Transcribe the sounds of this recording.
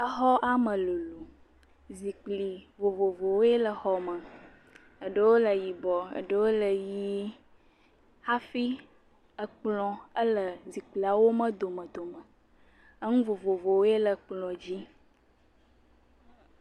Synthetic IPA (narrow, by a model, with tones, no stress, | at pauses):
ə˦ɦɔ˦ʔa˦mə̃˨lu˨lu˨ | zi˨k͡pli˨vo˨vo˨vo˨wo˦e˦lə˨xɔ˨mə̃˨ | ə˨ɖə˦wo˦lə˨ji˨bɔ˨ə̰˨ɖə˦wo˦lə˨ji˦ | ha˦fi˦ | ə˨k͡plɔ̃˨ə˦lə˨zi˨k͡pli˨a˨wo˦mə̃˦d̪o˨mə̃˨d̪o˨mə̃˨ | ə˦ŋũ˦vo˨vo˨vo˨wo˦e˦lə˨k͡plɔ̃˨d͡ʑi˦